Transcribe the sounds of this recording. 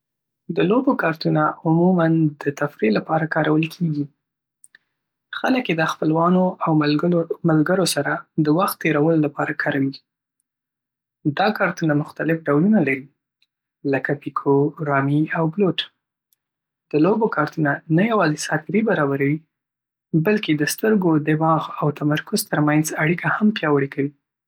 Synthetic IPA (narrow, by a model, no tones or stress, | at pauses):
d̪əlobokɑɾt̪unaʊmumand̪ət̪afɾelapɑɾakɑɾawəlkʰeɡi | xaləkjed̪əxpəlwɑnoawmalɡəɾosaɾad̪əwaxt̪ːeɾawəlolapɑɾakʰɑɾawi | d̪ɑkɑɾt̪unamʊxt̪alɪfɖawlunalaɾi | ləkapikʰoɾɑmiawbloʈ | d̪̥əlobokɑɾt̪unanajawɑzisɑfɪɾibaɾɑbaɾawi | balked̪əst̪əɾɡod̪ɪmɑɣawt̪amaɾkʊzt̪əɾmanzaɽikʰahampjɑwəɽekawi